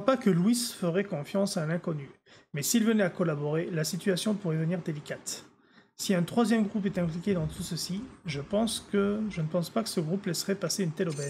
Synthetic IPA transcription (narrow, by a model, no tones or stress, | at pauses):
apakəlwisfəʁɛkɔ̃fjɑ̃salɛ̃kɔny | mɛsilvənɛakɔlabɔʁelasit̪yasjɔ̃puʁɛvəniʁd̪elikʲat̪ | siɛ̃t̪χwazjɛmɡʁupɛt̪ɛ̃plikʲed̪ɑ̃t̪ʰusəsiʒəpɑ̃skəʒənəpɑ̃spakə̥səɡʁuplɛsʁɛpaseynt̪ɛlɔbɛz